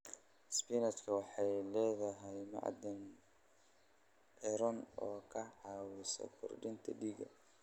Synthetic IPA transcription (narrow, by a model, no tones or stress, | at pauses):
spinɐt̪kʰɐwɑħɑjlɛːðɐɦɛjmɑ̰ʕd̪ɪn | ʕɛɾɔnɔːkʰɐʕɑːwɪsɔ̰kʰʊ̰rɖɪnt̪ʰɐ̰ɖiːɡɐ̰